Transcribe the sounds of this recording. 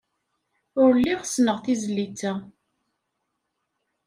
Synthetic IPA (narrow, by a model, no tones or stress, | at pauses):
ʊɾlːiʁsnəʁθizlːit͡sːæ